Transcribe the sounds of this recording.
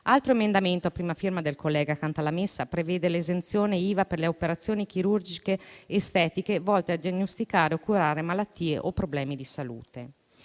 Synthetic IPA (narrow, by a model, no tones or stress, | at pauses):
alt̪ɾoemend̪ament̪oapːɾiːmafirmad̪elkolːɛːɡakant̪alamesːapɾeveːd̪elezent̪sjoːneiːvaperleopeɾat̪sːjoːnik̟iɾurd͡ʒikeːst̪ɛːt̪ikevɔlt̪ead̪ianːost̪ikaːɾeokːuɾaːɾemalat̪ːiːeʔopɾoblɛːmid̪isalṵːt̪e